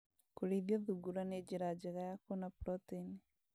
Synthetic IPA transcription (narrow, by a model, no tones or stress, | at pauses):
kuɾiðjoðuɡuɾaneɟiɾaɟiɣajakonapɾotini